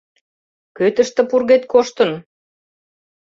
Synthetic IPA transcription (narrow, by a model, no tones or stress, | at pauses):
køt̪ə̆ʃt̪ə̆purɣet̪̚koʃt̪ə̆n